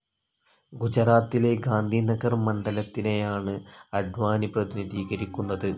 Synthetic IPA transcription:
ɡud͡ʑɐraːt̪ːile̞ɡaːnd̪ʱinɐɡɐrmɐɳɖɐlɐt̪ːine̞jaːɳɨɐɖʋaːniprɐðiniðiːɡɐɾikʲːunːɐðɨ

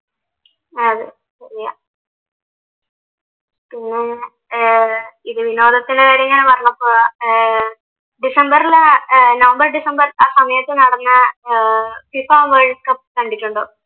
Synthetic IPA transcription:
ɐðɨ | ɕɐɾija | pinːe | iðɨʋino̞ːðɐt̪ːineɐɽiŋːɐnepɐrɐnɐpːoː | ɖisɐmbɐɾilnɐʋɐmbɐrɖisɐmbɐraːsɐmɐjɐt̪ːenɐɽɐnːɨ | fifaːʋeːɻiskːɐpkɐɳɖiʈːuɳɖo

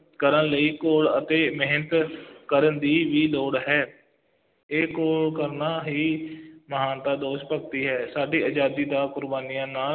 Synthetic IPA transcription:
kəɾənləiːkoːlət̪eːmeɦnət̪kəɾənd̪iːʋiːloːɽɦɛː | eːkoːlkəɾnaːɦiːməɦaːnt̪aːd̪oːʃpək̚t̪iːɦɛːsaːɖiːəd͡ʒaːd̪iːd̪aːkʊɾbaːnijãːnaː

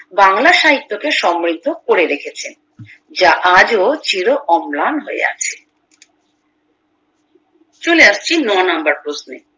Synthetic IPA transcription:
baŋlaʃaɦit̪ːokeʃɔmːɾid̪ʱːokoɾeɾekʰet͡ɕʰen | d͡ʑaʔad͡ʑot͡ɕiɾoʔɔmlanɦoḛa̰t͡ɕʰe̥ | t͡ɕoleaʃt͡ɕʰinɔnambaɾpɾosnḛ

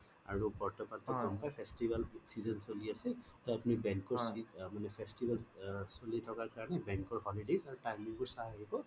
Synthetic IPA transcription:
a̰ɹupɔɹtʰɔpat̪ɔɡɔnpajpʰestibalsizɔnsoliasɛ | t̪ɔapunibɛŋkɔɹsimanɛpʰɛstibʱalsolitʰɔkaɹkaɹɔnɛbɛŋkɔɹhɔlidezaɹuʈajmiŋbɔɹsaaɦibɔ

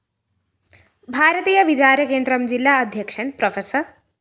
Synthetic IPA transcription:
bʱaɾət̪ijʌbit͡ʃaɾjʌkend̪ɾʌmd͡zilːaʌd̪ʱjʌkʂʰənprʌfʰesʌɾ

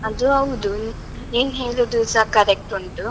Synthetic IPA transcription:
ɐd̪uɐʋud̪u | eːnɦeːlud̪usakɐɾek̚ʈuɳʈu

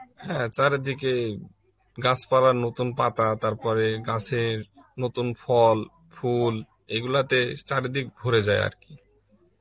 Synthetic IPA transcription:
hɛ̃t͡ɕaɾed̪ike | ɡat͡ɕʰpaɾaɾnot̪unpat̪at̪aɾpɔɾeɡat͡ɕʰeɾ | not̪unfʰɔl | ful | eɡulat̪et͡ɕaɾed̪ik̚bʱoɾed͡ʑaea̰ɾki

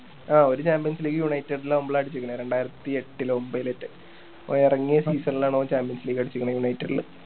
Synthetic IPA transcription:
aːo̞ɾut͡ɕaːmpijɐnsliːkːɨjuɳɐjtːɐɽilːaombɐɭaːɐɽit͡ɕːukʲːɐɳɐɾe̞ɳɖaːjiɾɐt̪ːieʈːilo̞mbɐiletːɨ | oirɐŋːijɐsiːsɐnilaːɳoːt͡ɕaːmpijɐnsliːɡɐɽit͡ɕːukʲːɐɳɐjuɳɐjtːɐɽilɨ̰

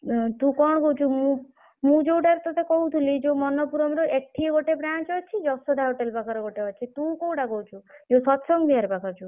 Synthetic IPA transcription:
t̪ũkɔɳɔɡɔwt͡ʃʰumũ | mũd͡ʒewʈaɾet̪ɔt̪ekɔɦut̪ʰulid͡ʒewmɔnɔpuɾɔmɾɔʔek̚ʈʰiɡoʈebɾant͡ʃɔt͡ʃʰid͡ʒɔsɔd̪ʱaɦoʈelbakʰɔɾɔɡoʈeɔt͡ʃʰit̪ũkowʈaɡowt͡ʃʰuewsɔt̪sɔŋbʱiɦaɾpakʰɔt͡ʃʰu

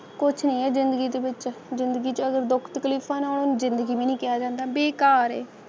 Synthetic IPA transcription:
kʊt͡ʃʰnĩːɛːzɪ̃nd̪əɡiːd̪eːbɪt͡ʃzɪnd̪əɡiːt͡ʃəɡəɾd̪ʊkʰt̪əkliːpʰãːnaːlnuzɪnd̪əɡiːbiːnĩːkɪjaːd͡ʒãːnd̪aːbeːkaːɾɛ̰ː

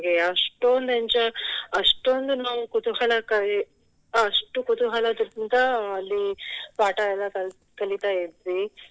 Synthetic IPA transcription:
ɡeɐʂʈond̪eɲt͡ʃɐɐʂʈond̪unaːʋukut̪uɦɐlɐkɐ | ɐʂʈukut̪uɦɐlɐd̪iɾt̪int̪ɐɐlːipaːʈajɐlɐkɐ | kɐlit̪aːjid̪ɾi

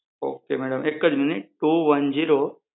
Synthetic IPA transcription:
o̰ːkemɛɽəmekːəd͡ʑminiʈʈuːʋɐnd͡ʑiːɾo

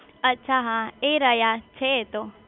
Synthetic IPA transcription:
ətːʃʰaɦãeɾəjat͡ʃʰet̪o

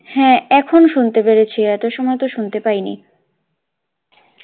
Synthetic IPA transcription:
hɛ̃ɛkʰonoʃunt̪epeɾet͡ɕʰiɛt̪oʃɔmɔet̪oʃunt̪epajnḭ

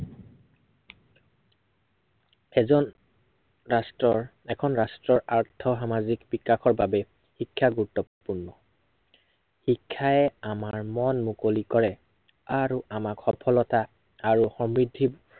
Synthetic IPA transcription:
ɛzɔn | ɹastɹɔɹ | ɛkʰɔnɹastɹɔɹaɹtʰɔxamazikbikːaxɔɹbabɛ | xikʰːaɡuɹutːɔpuɹnɔ | xikʰːaɛamaɹmɔnmukolikɔɹɛ | aɹuʔamakxɔpʰɔlɔta | aɹuxɔmɹidʱːi

